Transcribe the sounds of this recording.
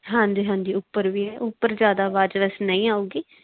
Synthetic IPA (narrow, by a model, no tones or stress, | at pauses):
ɦãːnd̪eɦãːnd̪iːʊpːəɾʋiːɦɛːʔʊpːəɾzjaːd̪aːʋaːd͡ʒʋɛsnəĩːaːuːɡiː